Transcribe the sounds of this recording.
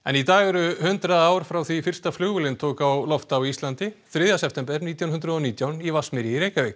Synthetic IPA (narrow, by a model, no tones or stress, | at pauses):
ɛ̰nit̪aːɣɛɾʏhʏnt̪ɾaaːwɾ̥fɾawθvifɪr̥st̪aflʏːɣʏlɪnt̪ʰoːkawlɔft̪awist̪lant̪ɪθɾɪðjasɛp̚ʰt̪ɛmpɛɾniːt̪jawnɦʏnt̪ɾʏðɔniːt̪jawnjɛvasmɪɾjɪɾejkavɪk